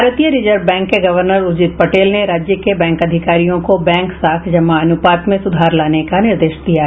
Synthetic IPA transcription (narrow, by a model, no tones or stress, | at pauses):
aːɾət̪ijəɾid͡ʒəɾbɛ̃ːŋkːeɡɐʋəɾnəɾʊd͡ʒɪt̪pɐʈeːlneɾaːd͡ʒjəkebɛ̃ːŋkɐd̪ʱɪkaːɾijõkobɛ̃ːŋksaːkʰd͡ʒɐmaɐnʊpaːt̪mẽsʊd̪ʱaːɾlaːnekanɪɾd̪eːʃd̪ija